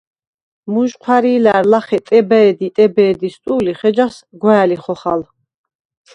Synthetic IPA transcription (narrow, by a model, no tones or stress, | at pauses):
muʒqʰwaɾiːlaɾlaχɛt̪ʼɛbɛɛd̪it̪ʼɛbɛːd̪ist̪ʼuːliχɛd͡ʒasɡwɛːliχɔχal